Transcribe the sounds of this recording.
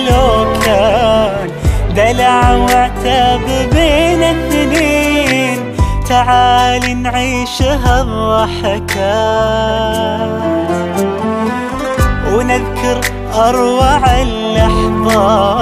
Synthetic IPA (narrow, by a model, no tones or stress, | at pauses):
lʊla | d̪alaʕwɪʕt̪abɪɾmenɪθneːn | t̪aʕaːlinʕiːʃɦaðɑħaka | wnɪðkʊɾ | ʔɑɾˤwaʕalːɑħðˤɑ